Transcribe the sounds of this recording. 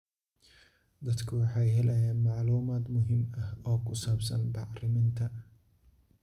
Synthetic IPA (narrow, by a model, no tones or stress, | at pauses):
d̪ɐd̪kʰʊwɑħɑjɦɛlɛjaːnmɑʕluːmaːd̪mʊɦɪmɐhɔːkʰʊsaːbsɐnbɑʕrɪmɪnt̪ʰɐ